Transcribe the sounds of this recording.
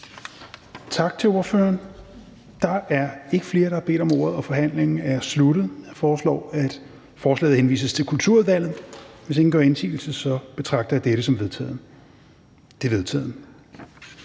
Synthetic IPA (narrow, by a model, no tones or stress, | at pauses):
t͡sʰɑ̈ɡ̥̚t͡sʰe̝lo̝ɐfø̰ɐn | d̥ɑ̈ʔæɐe̝ɡ̥əfle̝ːɐɾ̥ɑɑ̈b̥e̝̰ːd̥ɒ̽mo̝̰ɐð̞̩ˠɒ̽fɒ̽ɦæn̰leŋn̩æɐsluɾ̥ð̩ˠɑfɒːslɒ̰ːæd̥ | fɒːslɛ̰ɪð̩henʋḭːsəst͡sʰe̝lkʰult͡sʰuɐʋæl̰ð̩ˠʋese̝ŋn̩ɡɶ̰ɐe̝nsʰḭːl̩səsɒ̽b̥e̝t͡sʰʁɑ̈ɡ̥̚d̥ɐjd̥eɾəsɒ̽mʋe | d̥e̝ʋe̝ðˠt͡sʰɛ̰ːðˠnə